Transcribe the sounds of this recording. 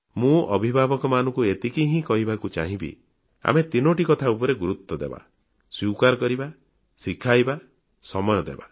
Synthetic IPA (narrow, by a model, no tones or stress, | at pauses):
mũɔ̰bʱibʱabɔkɔmanɔ̃ŋkuet̪ikiɦĩkɔɦibakut͡ʃa̰ɦĩbḭ | a̰met̪inoʈikɔt̪ʰaupɔɾeɡuɾut̪ːɔd̪ḛba̰ | swikaɾɔkɔɾiba | sikʰajba | sɔmɔjɔd̪ḛba̰